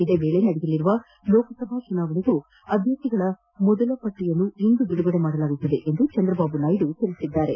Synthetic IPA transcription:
id̪eːʋe̞ːɭe̞nɐɽejɐlːiɾuʋɐ | lo̞ːkɐsɐbʱaːt͡ʃunaːʋɐniɡu | ɐd̪ʱjɐt̪ːiɡɐɭɐ | mɔd̪ɐlɐpɐʈːijɐnːuind̪ud̪uɽuɡɐɽemaːɽɐlaːɡut̪ːɐd̪e̞ʔend̪ut͡ʃɐnd̪ɾɐbaːbunɐjɖuk̪elisid̪ːaːɾe̞

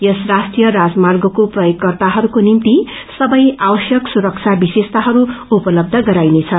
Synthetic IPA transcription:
jʌsrasʈrijʌɾad͡zmarɡʌkoprʌjoɡkːʌrt̪aɦʌɾukonimt̪i | sʌbʌjabʌsjʌksuɾʌk̚t͡sʰabisest̪aɦʌɾuupʌlʌb̚d̪ʱʌɡʌɾajnet͡sʰʌ

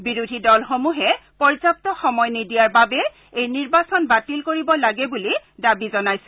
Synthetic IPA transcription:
biɹudʱidɔlxomuɦɛpɔɹzap̚tɔxɔmɔjnidijaɹbabɛ | ejniɹbasɔnbatilkoɹibɔlaɡɛbulidabizɔnajsɛ̥

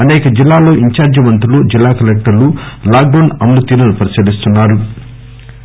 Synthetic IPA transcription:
ɐneːkɐd͡ʒilːaːlo̞ːʔiɲt͡ʃaːɾd͡ʒiʋɐnt̪ɾulud͡ʒilːaːkɐlɛk̚ʈɐɾlulaːɡ̚ɖɐwɳɖɐmlut̪iːɾɐnupɐɾisilist̪unːaːɾu

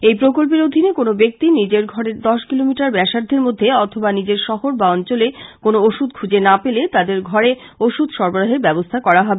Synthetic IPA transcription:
ejpɾokolp̬eɾod̪ʱinekonobek̚t̪inid͡ʑeɾɡʱɔɾeɾd̪ɔʃkilomiʈaɾbɛʃaɾd̪ʱːeɾmod̪ʱːeɔt̪ʰobanid͡ʑeɾʃɔɦoɾbaɔnt͡ɕolekonooʃud̪kʰud͡ʑenapelet̪ad̪eɾɡʱɔɾe | oʃud̪ʃɔɾboɾaɦeɾbɛbost̪ʰakɔɾaɦɔbe

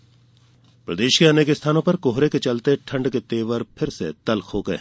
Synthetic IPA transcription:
pɾɐd̪eːʃkeɐneːkest̪ʰaːnõpɐɾkoɦɾeket͡ʃɐlt̪eʈʰɐ̃ɳɖket̪eːʋəɾpʰɪɾsḛt̪ɐlkɦoːɡəḛ

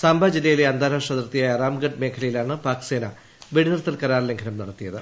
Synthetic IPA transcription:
saːmbʱad͡ʑilːɐjile̞ɐnd̪ʱaːɾaːʂɐðɐrt̪ːijaːjɐraːmɡɐɖ̚me̞ːkʰɐlɐjilaːɳɨpaːkseːna | ʋiɽinɐrt̪ːɐlkɐɾaːrle̞ŋɡʱɐnɐmnɐɽɐt̪ːijɐðɨ

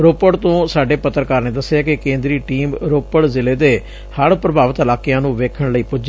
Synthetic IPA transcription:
ɾoːpəɽt̪õːsaːɖeːpət̪ːɾkaːɾneːd̪əsːjaːkɪkẽːnd̪ɾiːʈiːmɾoːpəɽzɪleːd̪eː | həɽpɾəbʱaːʋət̪əlaːkɪjãːnũːʋeːkʰəɳləiːpʊd͡ʒ

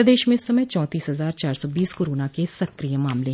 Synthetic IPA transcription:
d̪eːʃmẽsəməjt͡ʃɔ̃ːt̪iːsɦəzaːɾt͡ʃaːɾsɔːbiːskoɾoːnãːkesəkɾijəmaːmle

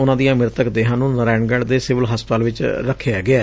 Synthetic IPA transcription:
ʊnãːd̪ijãːmɪɾt̪əkd̪eːɦãːnũːnəɾɛ̃ːɳɡəɽd̪eːsɪʋəlɦəspt̪aːlʋɪt͡ʃɾəkʰːejaːɡɪaː

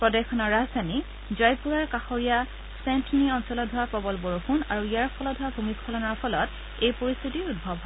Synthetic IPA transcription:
pɹɔdɛxɔnɔɹazani | zɔjpuɹaɹkaxɔɹija | sɛntniɔnsɔlɔdʱɔapɔbɔlboɹuxunaɹuijaɹpʰɔlɔdʱɔwabʱumiskʰɔlɔnɔɹpʰɔlɔt | ejpoɹist̪ʰitiud̚bʱɔbʱɦɔ

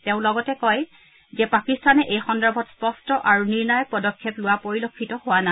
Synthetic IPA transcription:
tɛʊ̃lɔɡɔtɛkɔj | zɛpakistanɛʔejxɔndabʱɔtspɔstɔʔaɹuniɹnɔjɔpɔdɔkʰːeplʊwapoɹilokʰːitɔhowana

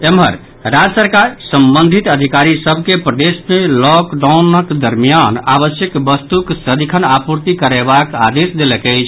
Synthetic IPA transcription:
emɦə̰ɾ | ɾad͡ʒsəɾkaɾsəmbənd̪ʱit̪əd̪ʱikaɾisəbʱkepɾəd̪esmelɔkɖaunəkd̪əɾmijanaβəsjəkbəst̪uksəd̪ʱikʰənapuɾt̪ikəɾebaka̰d̪esd̪eləkəjt͡ʃʰ

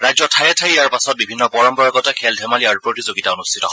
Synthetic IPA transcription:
ɹajzɔtʰajɛtʰajiaɹpasɔt̚bibʱinːɔpɔɹɔmbɔɹaɡɔtɛkʰɛldʱɛmaliaɹupɹotizoɡitaonustʰitɔɦ

